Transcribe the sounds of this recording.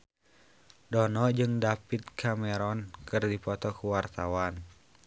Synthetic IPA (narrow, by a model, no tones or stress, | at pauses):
dɔnɔd͡ʒɨŋdapit̪̚kʰamɛɾɔnkɨrdipɔt̪ɔkuwart̪awan